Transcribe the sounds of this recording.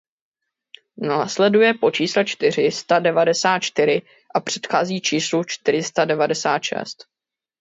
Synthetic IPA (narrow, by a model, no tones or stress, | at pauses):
naːslɛdujɛpo̞t͡ʃiːslɛt͡ʃt̪ɪr̝ɪst̪adɛvadɛsaːt̪̚t͡ʃt̪ɪɾɪ | ʔapr̝̥ɛ̥t̪xaːziːt͡ʃiːslut͡ʃt̪ɪɾ̝ɪst̪adɛvadɛsaːt̪ʃɛ̰st̪